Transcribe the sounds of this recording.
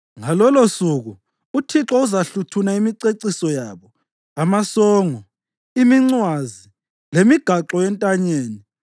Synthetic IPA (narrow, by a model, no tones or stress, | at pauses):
ŋalɔlosuɣu | utʰiǁɔuzaɬutʰunaimiǀeǀisɔjaːβɔ | amasɔːŋɔ | imiŋ͡ǀwazi | lemiɡ̥ʱaǁɔɛntʼaɲeːni